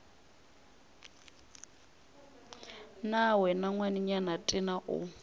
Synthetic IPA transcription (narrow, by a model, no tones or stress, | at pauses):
nawɛnaŋwaniɲanatʼɪnaʔʊ̰